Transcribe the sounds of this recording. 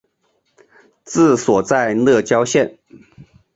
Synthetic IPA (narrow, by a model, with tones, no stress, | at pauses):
t͡sɹ̩˥˩swɔ˨˩t͡sa˥˧ɪlɤ˥˩t͡ɕjɑ˥ʊɕjɛ˥˨n